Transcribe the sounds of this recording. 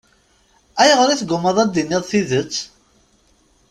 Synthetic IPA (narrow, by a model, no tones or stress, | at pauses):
æjʁəɾiθɡʊməðˤæd̪ːinːiðˤθiðət͡sː